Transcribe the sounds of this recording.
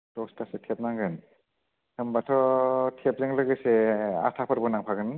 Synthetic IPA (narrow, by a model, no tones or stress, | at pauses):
dɔstasetʰep̚naŋɡɯn | tʰɯmbatʰɔtʰep̚zɯŋlɯɡɯsea̰tʰapʰɯɾbɔnaŋpʰaɡɯn